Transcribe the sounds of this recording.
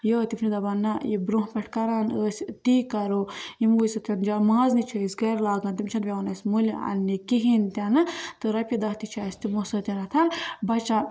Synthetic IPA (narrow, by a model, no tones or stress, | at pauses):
joːt̪ipʰnid̪ɐbɐnːɐjibɾũɦpʲɐʈʰkɐɾaːnəːsʲt̪iːkɐɾoimuːsɐt̪ʰʲɐnd͡ʒamãːznit͡ʃʰuːisɡɐɾlaːɡaːnt̪imt͡ʃʰɐnʋʲɐɐnɐsʲmulʲɐ̰nːikiɦint̪ʲɐnɨt̪ɨɾɐpʲid̪ɐɦt̪it͡ʃʰaːsʲt̪imosɐt̪ʲɐnɐt̪ʰɐnbɐt͡ʃa